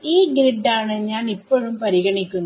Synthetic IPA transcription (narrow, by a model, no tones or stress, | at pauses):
iːɡɾeɖːaːɳɨɲaːnipːoːɻumpɐɾiɣɐɳikʲːunː